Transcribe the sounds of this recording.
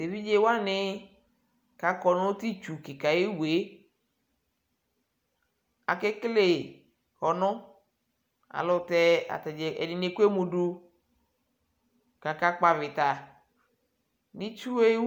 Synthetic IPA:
te˨vi˦d͡ʒe˦wa˦nɪ˦ | ka˨kɔ˨nʊ̃˦t̪i˦t͡ʃu˨kɪ˨ka˨je˦wu˨e˨˦ | a̰˨ke˦kle˦˨ | hɔ˨nʊ̃˦ | a̰˨lʊ˨tɛ˦a̰˨t̪ɛ˨d͡ʒɛ˨ɛ̰˨dɪ˨ne˦ke˦mu˨du˦ | ka˨ka˦k͡pa˨vɪ˨t̪a˨ | nĩ˦t͡ʃu˦we˦

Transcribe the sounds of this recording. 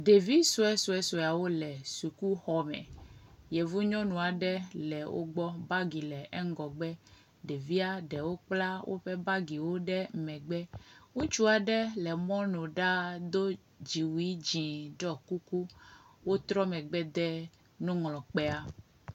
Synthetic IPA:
d̪e˨vi˦so˦ɛ˦so˨ɛ˦so˨a˨wo˦lɛ˨su˨ku˦xɔ˦mɛ̰̃˨je˨vu˦ɲɔ̃˦nũ˨a˨ɖɛ˦lɛ˨wʔo̰˦ɡ͡bɔ˦ba˦ɡi˨lɛ˨ʔɛ˦ŋ˦ɡɔ˨ɡ͡bɛ˦ | ɖe˨vi˦a˦ɖɛ˨wo˦k͡pla˦wʔo̰˦ɸɛ˦ba˦ɡi˨wo˦ɖɛ˦mɛ̃˨ɡ͡bɛ˦ŋũ˦t͡ʃu˦a˨ɖɛ˦lɛ˨mɔ̃˦nõ˨ɖa˦d̪o˦ | d͡ʑi˨wi˦d͡ʒĩ˨ɖɔ˦ku˦ku˦wo˦t̪ɾɔ˦mɛ̃˨ɡ͡bɛ˦d̪ɛ˦ | nũ˦ŋlɔ̃˨k͡pɛ˦a˦

